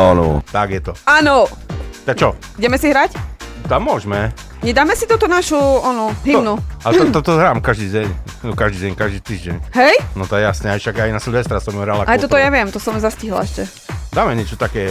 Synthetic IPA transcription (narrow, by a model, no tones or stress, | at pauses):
anɔ̰t̪aɡjɛt̪ɔaːnɔt̪akt͡ʃɔ | uɟɛmɛsiɦɾact̪amːʊɔʒmɛ | ɲɛd̪aːmɛsit̪ut̪ɔnaʃuanɔɦinualɛt̪ɔt̪ɔt̪ɔɦɾaːmkaʒd̪iːɟɛɲ | nɔkaʒd̪iːɟɛɲkaʒd̪iːt̪iːʒɟɛɲɦɛjnɔt̪ɔɛjasɲɛajʃaɡajnasuʎʋɛst̪ɾasɔmuɦɾalakʔaj̪ɔt̪ɔjaʋɪɛmt̪ɔsɔmzasciɦla̰ɛʃcɛ | d̪aːmɛɲɪɛt͡ʃɔt̪akɛː